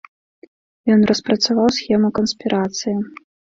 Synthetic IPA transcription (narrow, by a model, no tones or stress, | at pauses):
jɔnrɐspɾɐt̪savawsxʲɛmukɐnsʲpʲiɾʔat̪sɨji